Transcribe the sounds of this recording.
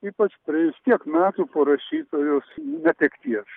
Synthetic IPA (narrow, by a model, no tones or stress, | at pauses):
iːpɐt͡ʃpʲɾʲiɛʋʲɪst̪ʲiɛkmʲæːt̪uːpoɾɐʃʲiːt̪oːjoːsnʲɛt̪ʲɛkt̪ʲiɛs